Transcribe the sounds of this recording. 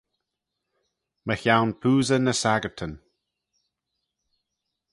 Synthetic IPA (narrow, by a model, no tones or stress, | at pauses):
məçawnpʰuːzənəsaɡəɹt̪ʰən